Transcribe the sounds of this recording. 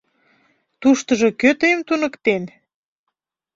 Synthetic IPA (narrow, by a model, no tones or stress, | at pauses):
t̪uʃt̪əʒokøt̪əjəmt̪unəkt̪en